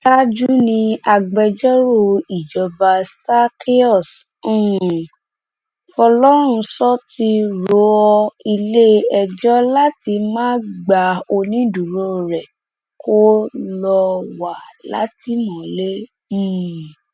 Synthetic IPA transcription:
ta˦d͡ʒu˦nĩ˧a˧ɡ͡bɛ˧d͡ʒɔ˦ɾo˦˨i˨d͡ʒɔ˧ba˧sta˦ki˦ɔ˦˨s̩˦˨ | fɔ˧lɔ˦ɾ̃ũ˧sɔ˦ti˧ɾo˨˦ɔ˧i˧le˦ɛ˧d͡ʒɔ˦la˦ti˧˦mãː˦ɡ͡ba˨o˧nĩ˦du˨ɾo˦˨ɾɛ˨ | ko˦lɔ˧wa˨la̰˨˦ti˨˦mɔ̃˨lẽ˦˨

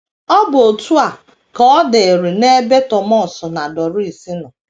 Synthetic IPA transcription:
ɔ˦bʊ˨o˨tu˦a˨ | kɔ˨˦ɔ˦de˨e˨ɾi˨ne˦be˦tɔ˨mɔ˦˨sɔ˨na˨dɔ˨ɾʊ˦i˨si˦nɔ˨

